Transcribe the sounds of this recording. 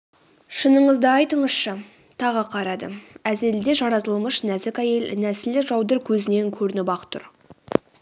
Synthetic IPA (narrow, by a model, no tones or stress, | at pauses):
ʃənəɴəzd̪əɑjt̪əɴəsʃə | t̪ʰɑʁəqʰɑɾɑd̪ə̰æze̞ld̪e̞ʒɑɾɑt̪əlˠməʃnæzɪkʲæje̞lnæsɪlːɪkʒɑwd̪əɾkʲʰɵzɪne̞ŋkʲʰɵɾɪnɪbɑqt̪ʰʊ̰ɾ